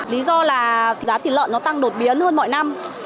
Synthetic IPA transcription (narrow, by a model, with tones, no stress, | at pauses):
li˨˦zɔ˧laː˨˩˨zaː˨˦t̪ʰi˨˩lə̰ː˧˨nːɔ˨˦t̪a˧ŋɗo˨˩t̚ɓi˨˦ənhəː˧nmɔ̰˧˨jna˧m